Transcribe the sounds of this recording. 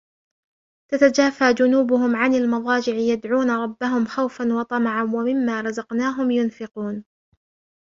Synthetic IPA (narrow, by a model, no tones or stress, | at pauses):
t̪at̪ad͡ʒaːfaːd͡ʒʊnuːbʊhʊmʕanalmɑðˤɑːd͡ʒɪʕɪjad̪ʕuːnaɾˤɑbːaɦʊmxawfanwɑt̪ˤɑmɑʕawamɪmːaːɾˤɑzɑqnaːɦʊmjʊnfɪquːn